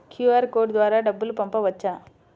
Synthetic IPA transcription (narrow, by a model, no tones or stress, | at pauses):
kjuːaːɾkoːɖd̪ʋaːɾɐɖɐbːɯlpɐmpɐʋɐt͡ʃːaː